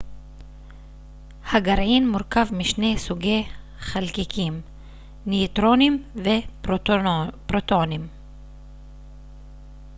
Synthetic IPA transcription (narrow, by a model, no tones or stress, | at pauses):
haɡaɾʕinmuɾkavmiʃne̞jsuɡe̞j | χalkikʰim | nit̪ɾo̞nimve | pɾot̪onim